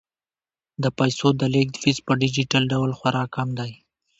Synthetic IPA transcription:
d̪əpajsod̪əlek̚d̪fispəɖɪd͡ʒiʈalɖawlxwaɾɑkamd̪aj

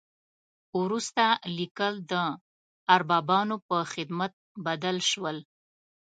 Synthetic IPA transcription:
wɾust̪alikəld̪ə | aɾbɑbɑnopəxɪd̪mat̪̚bad̪alʃwəl

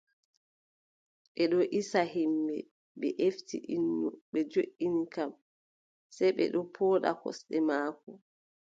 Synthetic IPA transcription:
ɓɛɗɔʔisaɦimbɛ̰ | ɓɛʔeftiʔinːuɓɛd͡ʒoʔinikam | sɛjɓɛ̰ɗɔpʰɔːɗa̰kɔ̰sɗɛmaːkɔ

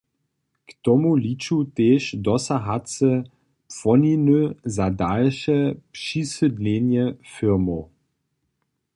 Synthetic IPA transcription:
kt̪ɔmulit͡ʃuteːʃdɔsaɦat͡sə | pfɔninøzadalʃɛpʂisədnʲenjɛfiʁmo

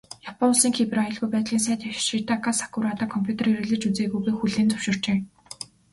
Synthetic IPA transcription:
japɔ̆nʊɮsiːŋxʰeprajɞ̆ɮɣujpæːt̪ɮiːns̬æːt̪ʃit̪ʰakasḁkuɾat̪aːkʰɔmpʰʲjut̪ʰeriɾɘ̆ɮɘ̆t͡ɕut͡seːɣujɣeːxuɮeːnt͡sʊ̥w̥ʃɪ̆r̥t͡ɕeː

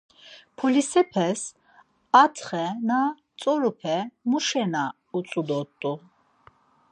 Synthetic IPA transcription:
pʰɔlisɛpʰɛs | at̪ʰχɛna | t͡s̪ʼɔɾupʰɛmuʃɛna | ut͡s̪ʼud̪ɔt̪ʼːu

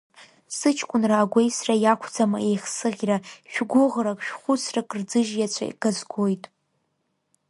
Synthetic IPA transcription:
sɨt͡ʃʰkʷʼʊnraːɡʷejsrajakʷʰd͡zamaejχsɨʁʲraʃᶣɡʷʊʁrakʼʃᶣχʷʊt͡sʰrakʼrd͡zɨʒjat͡ɕʷʰa̰ḭɡ̥azɡʷojtʼ

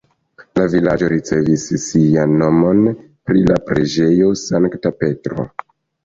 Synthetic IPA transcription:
lavilad͡ʒo̞ɾit͡se̞visːianːo̞mo̞n | pɾilapɾed͡ʒe̞jo̞saŋktape̞tɾo̰

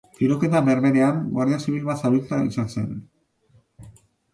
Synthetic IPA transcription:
fiɾo̞ke̞t̪aβe̞ɾβe̞ɾe̞amɡwaɾðeasiβilβasaβilt̪aḭsanse̞n

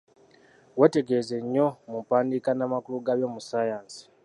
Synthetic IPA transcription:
wete̞ɡeze̞ɲːo̞mupaːndikanamakuluɡaβjo̞musajaːnsi̥

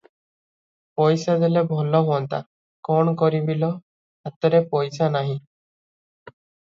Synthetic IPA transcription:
pɔjsad̪elebʱɔlɔɦuɔnt̪a̰ | kɔɳkɔɾibilɔ | at̪ɔɾepɔjsanaɦĩ

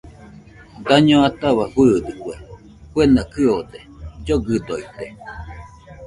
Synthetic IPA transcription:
d̪aɲõat̪aβafɨːd̪ɯkʷe | kwenakɨod̪ed͡ʒoɡɨd̪oit̪e

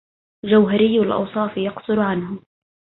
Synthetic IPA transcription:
ld͡ʒawɦaɾɪjːalʔɑ̰wsˤɑːfjɑqsˤʊɾʕanɦʊ

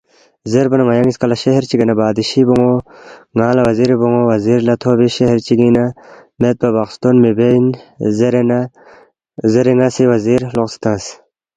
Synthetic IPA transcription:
zeɾbɐnɐŋɐjaŋiskɐlɐɕeɦeɾt͡ɕiɡenɐbaːd̪iɕiboŋoŋaːlɐwɐziɾiboŋowɐziɾlɐt̪ʰoːbiɕeɦeɾt͡ɕiɡinɐmet̪̚bɐbaqst̪onmibeinɾn | zeɾiŋasiwɐziːɾloqst̪ãːs

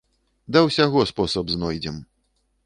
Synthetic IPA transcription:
d̪ɐwsʲaɣɔspɔsɐbznɔjd͡zʲɛm

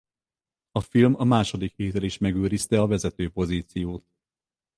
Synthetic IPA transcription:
ɒfilmɒmaːʃo̞d̪ikheːt̪ɛliʃmɛɡøːɾist̪ɛɒvɛzɛt̪øːpo̞ziːt̪sijoːt̪̚

